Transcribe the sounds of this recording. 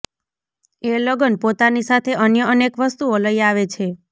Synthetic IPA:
eləɡənpot̪anisat̪ʰeənjəənekʋəst̪uoləiaʋet͡ʃʰe

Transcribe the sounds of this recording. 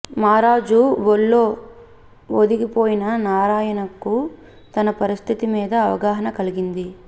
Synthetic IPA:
maːɾaːd͡ʒuʋoɭːo̞ː | od̪iɡipoːjinɐnaːɾaːjɐnɐkːu | t̪ɐnɐpɐɾist̪ʰit̪imiːd̪ɐːʋɐ̰ɡaːɦɐnɐkɐliɡind̪i

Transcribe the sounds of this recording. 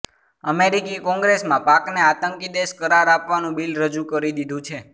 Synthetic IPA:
əmeɾikikɔ̃ŋɡɾesmãpakneat̪əŋkid̪eʃkəɾaɾapʋanũbilɾəd͡ʒukəɾid̪id̪ʱũt͡ʃʰe

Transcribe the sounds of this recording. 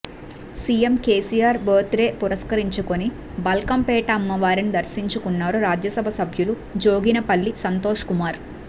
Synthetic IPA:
sijemkeːsijaːɾboːt̪ɾe̞ːpuɾɐskɐɾiɲt͡ʃukoni | bɐlkɐmpɛːʈɐːmːɐʋaːɾinid̪ɐɾsiɲt͡ʃukunːaːɾuɾaːd͡ʒjɐsɐbʱɐsɐbʱjulu | d͡ʒoːɡinɐpɐlːisɐnt̪o̞ːʂkumaːɾ

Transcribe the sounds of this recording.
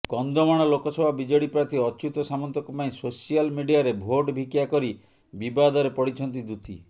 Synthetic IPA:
kɔnd̪ɔmaɽ̃ɔlokɔsɔbʱabid͡ʒɔɽipɾat̪ʰiɔt͡ʃut̪ɔsamɔnt̪ɔkɔpaĩsosijalmiɖijaɾebʱoɖbʱikjakɔɾi | bibad̪ɔɾepɔɽit͡ʃʰɔnt̪̬id̪ut̪ʰi

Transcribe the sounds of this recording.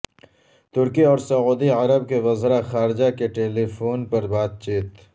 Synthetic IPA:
t̪ʊɾkiɔːɾsɐuːd̪iɐɾəb̚keʋɐzɾaxaːɾɪd͡ʒakeʈeːlifoːnpɐɾbaːd̪̚t͡ʃiːt̪

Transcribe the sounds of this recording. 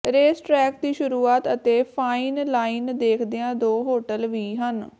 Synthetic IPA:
ɾeːsʈɾɛːk̚d̪iːʃʊɾuːaːt̪ət̪eːpʰaːiːnlaːind̪eːkʰd̪eãːd̪oːɦoːʈəlʋiːɦən

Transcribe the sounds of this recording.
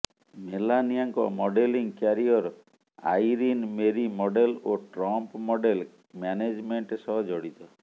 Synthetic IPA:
melaniaŋkɔ̰mɔɖeliŋkaɾiɔɾ | a̰jɾinmeɾimɔɖeloʈɾɔmpmɔɖel | maned͡ʒmeɳʈsɔɦɔd͡ʒɔɽit̪ɔ

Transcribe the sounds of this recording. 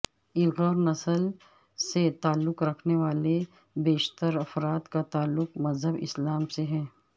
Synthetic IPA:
ɪkɔːɾnɐsəl | set̪aːlːʊkɾɐkʰneʋaːle | beːʃt̪əɾɐfɾaːt̪kat̪aːlːʊqmɐzɦəbɪ̰slaːmseɦɛ̃ː

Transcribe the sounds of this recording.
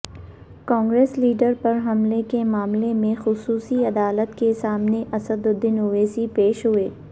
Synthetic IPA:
kɔ̃ːŋɡɾeːsliːɖəɾpɐɾɦɐmlekemaːmlemẽxʊsuːsiɐd̪aːlət̪kesaːmneʔɐsəd̪ʊd̪ːɪnʊʋeːsipeːʃɦʊeː

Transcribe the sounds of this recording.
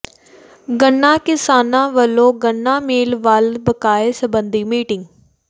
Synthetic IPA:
ɡəɳːãːkɪsaːnãːʋəlːõːɡəɳːãːmeːlʋaːlbəkaːeːsəbənd̪iːmiːʈɪŋɡ

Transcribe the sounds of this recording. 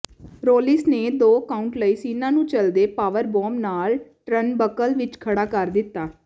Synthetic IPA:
ɾoːlɪsneːd̪oːkaːʊɳʈləiːsiːnãːnũːt͡ʃəld̪eːpaːʋəɾbɔːmnaːlʈɾənbəkəlʋɪt͡ʃkʰəɽaːkəɾd̪ɪt̪ːaː

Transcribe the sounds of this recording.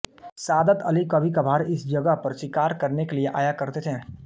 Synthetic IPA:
saːd̪ət̪ɐlikɐbʱikabʱaːɾɪsd͡ʒɐɡəɦpɐɾʃɪkaːɾkɐɾnekelieʔa̰ːjakɐɾt̪et̪ʰẽː

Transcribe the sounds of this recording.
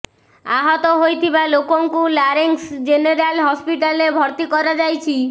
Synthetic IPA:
a̰ɦɔt̪ɔɦojt̪ʰibalokoŋkulaɾeŋsd͡ʒeneɾalɦɔspiʈalebʱɔɾt̪ikɔɾad͡ʒajt͡ʃʰi

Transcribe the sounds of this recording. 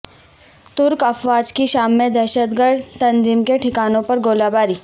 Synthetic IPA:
t̪ʊɾkɐfʋaːd͡ʒkiʃaːmːẽd̪ɛɾʃət̪ɡəɾɖ̪t̪ɐ̃nziːmkeʈʰɪkaːnõpɐɾɡoːlaːbaːɾiː

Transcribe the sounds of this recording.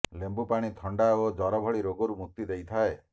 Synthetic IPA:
lembupaɽ̃it̪ʰɔɳɖaod͡ʒɔɾɔbʱɔɭiɾoɡɔɾumuk̚t̪id̪ejt̪ʰae

